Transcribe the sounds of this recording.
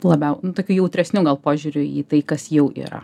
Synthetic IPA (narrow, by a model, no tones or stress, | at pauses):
lˠɐbʲɛʊnʊt̪oːkʲuːjɛʊt̪ʲɾʲɛsʲnʲuːɡɐlˠpoːʒʲʊːɾʲʊḭːt̪ɐɪkɐsjɛʊʔḭːɾɐ̰